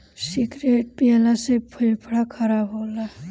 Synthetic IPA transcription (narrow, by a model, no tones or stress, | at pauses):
siɡɾeʈ̚pialasepʰəjpʰɽakʰaɾabɦola